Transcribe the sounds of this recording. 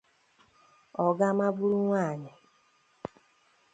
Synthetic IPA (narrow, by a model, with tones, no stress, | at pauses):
ɔ˨ɡa˦ma˦bu˦ɾu˦ŋʷaː˦˨ɲɪ˨